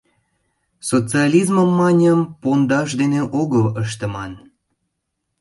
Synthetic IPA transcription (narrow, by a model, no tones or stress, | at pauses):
sot͡sɨɑlʲizməmːɑnʲəmpond̪ɑʃ̬d̪eneʔoɣələʃ̬t̪ə̆mɑn